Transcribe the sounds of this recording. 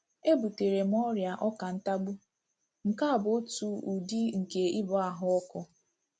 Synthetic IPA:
e˦bu˨te˨ɾe˨m̩˦ɔ˦ɾja˨ʔɔ˦ka˨n̩˦ta˦ɡ͡bu˦ | m̩˨ka˦a˨bʊ˨o˦tu˦u˨di˦ŋ̩˨ke˨i˦bɔ˨a˦˨ɦʊ˦ɔ˦kɔ˦

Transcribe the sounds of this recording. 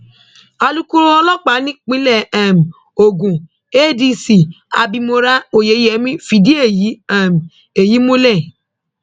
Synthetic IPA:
a˧lu˦ku˦ɾo˦ɔ˧lɔ˦k͡pa˨˦nĩ˦k͡pĩ˦lɛ˦˨ɛ˨m̩˨ | o˨ɡũ˨ | e˦˨di˧si˨ | a̰˨bi˧mo˧ɾa˦o˨je˨˦jɛ˨˦mĩ˦fi˨di˦e˦˨ji˨˦ɛ˦˨m̩˨ | e˨ji˨˦mũ˦lɛ˦˨

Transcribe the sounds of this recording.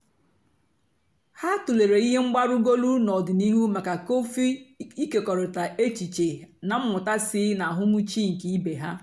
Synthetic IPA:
ha˦tu˨le˨ɾe˨i˦ɦe˦ŋ͡m̩˦ɡ͡ba˦ɾʊ˦ɡo˦lu˦nɔ˨dɪ˨ni˦ɦu˦ma˨ka˨ko˦fi˦i˦ke˨kɔ˨ɾʊ˨ta˨ʔe˦t͡ʃi˨t͡ʃe˨na˨m̩˦mʊ˨ta˦sɪ˦na˨ɦʊ˦mu˦t͡ʃi˦ŋ̩˨ki˨i˦be˨ɦa˦

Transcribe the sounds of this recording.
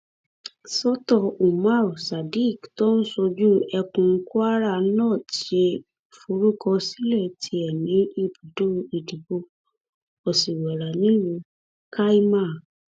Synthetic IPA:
sɔ˦tɔ˧u˨ma˦˨sa˨di˦˨ktɔ˦n̩˦sɔ˧d͡ʒu˦ɛ˧kũ˧ŋ̩˦ku˦a˦ɾa˦˨˦nãː˦˨ʃe˧ | fu˧ɾu˦kɔ˧si˦lɛ˦˨tʰi˧˦ɛ˨nĩ˨˦i˦˨bu˨do˦˧i˨di˨bo˧ | ɔ˨si˨wɛ˨ɾa˨nĩ˦lũ˧ | ka˦i˦ma˦˨

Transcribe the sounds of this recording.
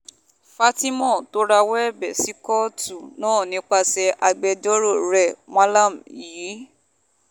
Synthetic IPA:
fa˧ti˦mɔ̃˦˨to˦ɾa˧wɛ˦ɛ˦˨bɛ˨si˨˦kɔ˦tu˦˨nãː˦˨nĩ˧˦k͡pa˧sɛ˧ʔa˧ɡ͡bɛ˧d͡ʒɔ˦ɾo˦˨ɾɛ˨mã˦la˦˨m̩˨ji˨˦

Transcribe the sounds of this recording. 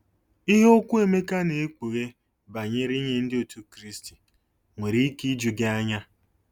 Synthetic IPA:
i˦ɦo˦kʷu˦e˨me˦ka˦ne˨e˦kʷu˨ɣe˦ | ba˨ɲe˦ɾi˦ɲe˦n̩˦dɪ˦o˨tu˦kɾi˦sti˨ | ŋʷe˨ɾi˦ki˦d͡ʒu˨ɡe˦a˦ɲa˦

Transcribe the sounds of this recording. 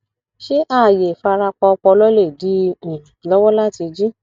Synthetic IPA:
ʃe˦ʔa˦˨je˨fa˧ɾa˧k͡pɔ˧k͡pɔ˧lɔ˦le˦˨di˨˦ĩ˨lɔ˦wɔ˦la˦ti˧d͡ʒi˦

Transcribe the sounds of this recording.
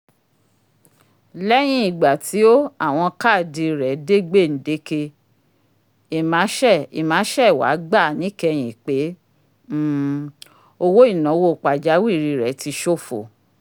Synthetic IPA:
lɛ˦j̃ĩ˧i˨ɡ͡ba˨tʰi˨˦o˦a˦˨w̃ɔ̃˧ka˦˨di˧ɾɛ˨˦de˦ɡ͡be˦˨n̩˨˦de˦ke˧ | e˨mã˨˦ʃɛ˦˨i˨mãː˨˦ʃɛ˦˨wa̰˨˦ɡ͡ba˦˨nĩ˨˦kɛ˧j̃ĩ˨k͡pe˨˦ | o˧wo˦i˦˨naɔ̃˨˦wo˦˨k͡pa˨d͡ʒa˨˦wi˦˨ɾi˧ɾɛ˨˦ti˧˦ʃo˦˨fo̰˨

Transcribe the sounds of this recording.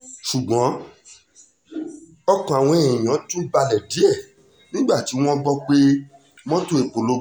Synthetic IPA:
ʃu˨ɡ͡bɔ̃˨˦ | ɔ˧kɔ̃˨a˨w̃ɔ̃˧e˨ĩ˨ã˨˦tũ˦i˦ba˧lɛ˨di˨˦e˦˨ | nĩ˦ɡ͡ba˦˨ti˨˦w̃ɔ̃˦bɔ˦k͡pe˦ | m̃ɔ̃˦to˦e˨k͡po˨lo˨˦

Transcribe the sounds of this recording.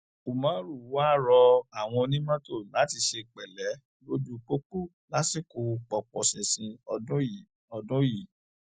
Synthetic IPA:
u˨mã˨˦ɾu˦˨wa˦˨ɾɔ˧a˨w̃ɔ̃˧nĩ˦mã˦to˦˨la˨˦ti˧ʃe˧k͡pɛ˨lɛ˨˦ | lo˦d͡ʒu˦k͡po˦k͡pu˦˨ | la˦si˦˨ko˧k͡pɔ˨k͡pɔ̰̃˨sĩ˨sĩ˧ɔ˧dũ˦˨ | ɔ˧dũ˦ji˦˨

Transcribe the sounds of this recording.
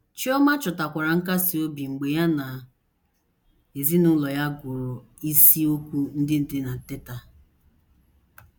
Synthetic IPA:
t͡ʃi˦ɔ˦ma˦t͡ʃɔ˨ta˨kʷa˨ɾa˨ŋ̩˦k̬a˦si˨o˦bi˨ŋ͡m̩˨ɡ͡be˨ja˦na˨ | e˨zi˦nʊ˦lɔ˨ja˦ɡʊ˨ɾʊ˨ | i˦si˦o˦kʷu˦n̩˦dɪ˦n̩˦dɪ˦na˨te˦ta˨

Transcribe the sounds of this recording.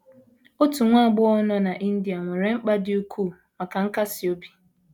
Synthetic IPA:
o˦tu˨ŋʷa˦˨ɡ͡bʊ˦ɔ˦nɔ˦na˨ʔi˦n̩˦di˨a˨ŋʷe˨ɾe˨ŋ͡m̩˦k͡pa˦dɪ˦u˦kʰu˦˨ | ma˨ka˨ŋ̩˦ka˦sɪ˨o˦bi̥˨

